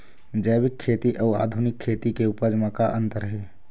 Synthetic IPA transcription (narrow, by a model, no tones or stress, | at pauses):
d͡ʒəjbɪkʰːeːt̪iʔəɔːa̰ːd̪ʱʊnɪkʰːeːt̪ikeʊpəd͡ʒmãkaʔə̃nt̪əɾɦeː